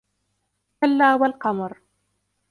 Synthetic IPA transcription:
kalːaːwalqɑmɾ

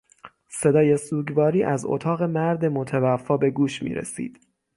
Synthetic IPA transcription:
se̞d̪ɒːje̞suːɟvɒːɾiːʔæzo̰t̪ʰɒːɣe̞mæɾd̪e̞mot̪ʰævæfːɒːbe̞ɡuːʃmḭːɾḛsḭːd̪̥

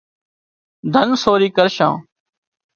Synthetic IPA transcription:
d̪ʱənsoːɾiːkəɾʃã̰ː

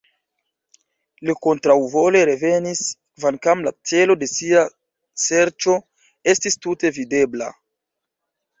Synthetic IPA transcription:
liko̞ntɾawvo̞le̞ɾe̞ve̞niskvankamla̰t͡se̞lo̞de̞sia | se̞ɾt͡ʃo̞ | e̞stistute̞vide̞bla̰

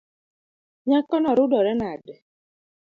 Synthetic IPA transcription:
ɲakɔnɔɾʊdɔɾɛnadɪ

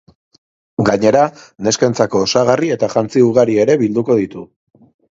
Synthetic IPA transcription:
ɡaɲe̞ɾane̞skent͡sako̞ːsaɣ̞arie̞t̪aʝant͡siuɣaɾie̞ɾe̞βild̪uko̞ðit̪u

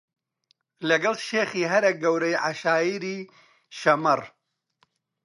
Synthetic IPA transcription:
lɐɡɐlʃeːχiːɦɐɾɐk̚ɡɐwɾɐjʕaʃaːjiːɾiː | ʃɐmɐr

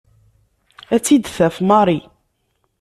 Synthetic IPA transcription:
æt͡sːid̪θæfmɑɾˤi

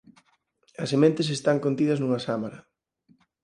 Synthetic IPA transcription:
ɐsemẽnt̪es̬est̪aŋkont̪iðɐznuŋɐsamaɾɐ

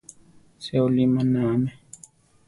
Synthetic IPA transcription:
seolimanamɛ

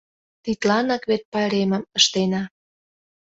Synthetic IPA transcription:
t̪it̪lɑnɑkβet̪̚pɑɾemə̆mə̆ʃt̪enɑ

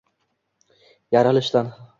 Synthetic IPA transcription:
jaɾalɪʃt̪an

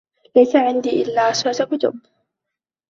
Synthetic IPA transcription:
lajsaʕɪnd̪iːʔɪlːaːsʊt̪akʊt̪ʊ̰b

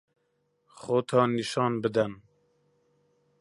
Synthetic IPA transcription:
xoːt̪ʰɑːniʃɑːnbɨd̪ɛn

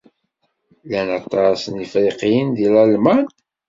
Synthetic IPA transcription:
lænɑt̪ˤːɑsənifɾiqijənðilælmæn

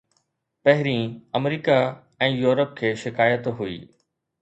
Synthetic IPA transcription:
pɐɦɪɾĩɐmɾiːka | ɛ̃ːjuːɾəp̚kʰeːʃɪkaːjət̪ɦuḭː

